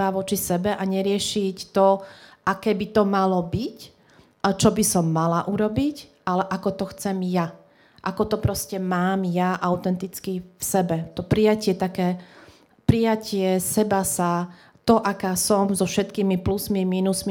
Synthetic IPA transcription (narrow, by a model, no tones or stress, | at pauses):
aʋɔt͡ʃisɛbɛʔaɲɛɾɪɛʃict̪ɔʔakɛːbit̪ɔmalɔbic | t͡ʃɔbisɔmːalaʔuɾɔbicʔalɛʔakɔt̪ɔxt͡sɛmja | ʔa̰kɔt̪ɔpɾɔscɛmaːmjaʔaʊt̪ɛnt̪it͡skifsɛbɛt̪ɔpɾijacɪɛt̪akɛː | pɾijacɪɛsɛbasa | t̪ɔʔakaːsɔmzɔfʃɛt̪kiːmiplusmimiːnusmi